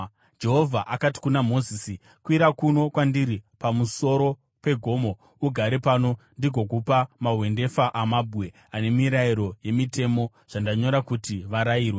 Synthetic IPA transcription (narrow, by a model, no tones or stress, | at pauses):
d͡ʒe̞ɦo̞vʱaʔakati̥kunamo̞ziːsi | kwiɾakuno̞kwandiɾipamuso̞ɾo̞ | pe̞ɡʱo̞ːmo̞ | uɡʱaɾepaːno̞ | ndiɡʱo̞kupamaɦwe̞nde̞faʔamabʱuwe̞ | ane̞miɾaiɾo̞je̞mite̞mo̞ | ʐ̥andaɲo̞ɾakutiʋaɾaiːrwe